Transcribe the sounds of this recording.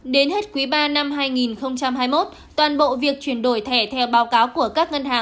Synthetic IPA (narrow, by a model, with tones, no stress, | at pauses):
ɗe˨˦nhe˦˥t̚kwi˨˦ɓaː˧na˧mɦaː˧jŋi˨˩nxə˧wŋ͡mt͡ɕa˧mɦaː˧jmo˦˥t̚ | t̪waː˨˩nɓo̰˧˨vi˨˩ək̚t͡ɕwi˧˩ənɗo˧˩jt̪ʰɛ˧˩t̪ʰɛ˧wɓaː˨˦wkaː˨˦wku˧˩əkaː˦˥k̚ŋə˧nɦaː˨˩ŋ